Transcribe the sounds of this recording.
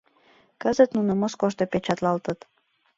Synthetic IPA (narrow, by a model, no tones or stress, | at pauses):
kəzət̪nunə̆moskoʃt̪opet͡ɕɑt̪lɑlt̪ət̪